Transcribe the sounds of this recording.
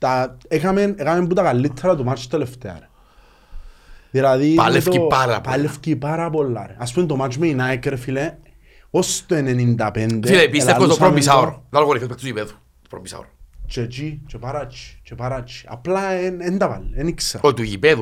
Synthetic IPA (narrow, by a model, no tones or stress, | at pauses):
t̪aekamenekamembut̪akalːit̪ʰːeɾat̪umat͡ʃt̪eleft̪ea̰ɾe | ðilaðialefokipaɾa̰palefkipaɾapolːa̰ɾeaspumend̪omad͡ʒmeinaekeɾefile | ost̪oenenind̪apend̪efilepislekoosɾommisawɾod̪alɣonifipekt̪uipeðu̥ | t̪o̥pɾo̰misa̰oɾot͡ʃet͡ʃit͡ʃepaɾat͡ʃʰːi̥t͡ʃepaɾat͡ʃʰːi̥a̰plaenend̪apa̰lːenikseɾot̪uʝipeðu